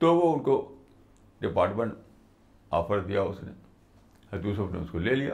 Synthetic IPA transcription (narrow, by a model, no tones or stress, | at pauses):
t̪oʋoʊnko | ɖɪpaːɾʈmẽɳʈ | a̰ːfəɾd̪ijaʊsnḛ | hɐt̪usɐpnḛʊskoleːlija̰